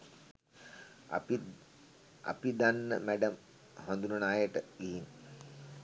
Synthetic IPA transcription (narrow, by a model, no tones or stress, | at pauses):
a̰pid̪anːə̰mæɖəm | hand̪unənaːjəʈəiɦin